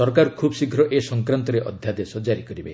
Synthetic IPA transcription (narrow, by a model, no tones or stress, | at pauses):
sɔɾkaɾkʰubɔsikʰɾɔʔesɔŋkɾant̪ɔɾeʔɔ̰d̪ʱjad̪esɔd͡ʒaɾikɔɾibe